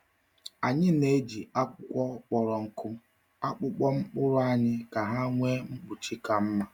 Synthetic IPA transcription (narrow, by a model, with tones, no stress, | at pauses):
a˨ɲɪ˦ne˦d͡ʒi˨a˦k͡pʊ˦kʷɔ˦k͡pɔ˨ɾɔ˨ŋ̩˦kʊ˦ | a˦k͡pʊ˦k͡pɔ˦ŋ͡m̩˦k͡pʊ˦ɾʊ˦a˦ɲɪ˦ka˨ɦa˦ŋʷe˦ŋ͡m̩˦k͡pu˨t͡ʃi˦ka˨m̩˦ma˦